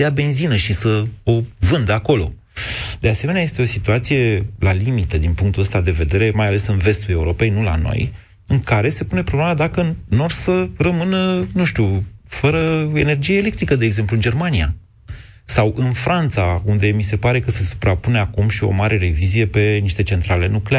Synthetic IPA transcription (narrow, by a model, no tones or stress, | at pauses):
eabe̞nzinəʃisəo̞vɨnd̪əako̞lo̞̰ | d̪ease̞me̞neajest̪eo̞sit̪uat̪sije̞lalimit̪əd̪inpuŋk̚t̪uəst̪ad̪e̞ve̞d̪e̞ɾe̞majale̞sɨnve̞st̪ule̞uɾo̞pe̞jnula̰no̞̰j | ɨŋkaɾe̞se̞pune̞pɾoblemad̪akənːo̞rsərəmɨnənũʃt̪ufəɾəe̞ne̞rd͡ʒijeːlekt̪ɾikəd̪e̞ːɡze̞mpluɨnd͡ʒe̞rmanija̰ | sawʔɨnfɾant̪saund̪e̞mise̞paɾe̞kəse̞su̥pɾapuneakumʃio̞̰maɾʔe̞ɾe̞vizije̞pe̞niʃt̪e̞t͡ʃe̞nt̪ɾale̞̰nuklea